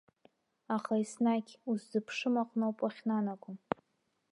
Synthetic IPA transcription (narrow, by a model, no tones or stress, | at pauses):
aχaisnaɡʲuszɨpʰʂɨmaqʼnowpʼaχʲnanakʷʊm